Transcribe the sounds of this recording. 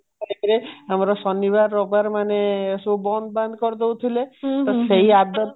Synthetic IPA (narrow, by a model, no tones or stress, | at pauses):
ɾekɾeamaɾɔsɔnibaɾːɔbaɾmanesubɔnd̪band̪ʱkɔɾd̪ewt̪ʰilet̪ɔseɦiad̪ɔt̪